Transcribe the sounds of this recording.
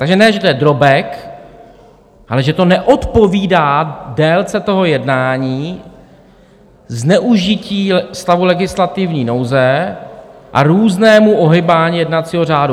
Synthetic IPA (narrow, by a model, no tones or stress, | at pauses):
t̪aɡʒɛnɛʒɛt̪ojɛd̪ɾobɛk | ʔalɛʒɛt̪o̞nɛʔo̞t̪po̞viːdaːdɛːlt͡sɛt̪o̞ɦo̞jɛdnaːɲiː | znɛʔuʒɪciːst̪avulɛɡɪslat̪ɪvɲiːno̞wzɛ | ʔa̰ɾuːznɛːmuʔo̞ɦɪbaːɲiːjɛdnat͡siːɦo̞r̝aːdu